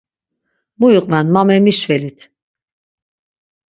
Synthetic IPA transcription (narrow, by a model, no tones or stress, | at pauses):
mujuqʼmænmamemiʃvelit̪ʰ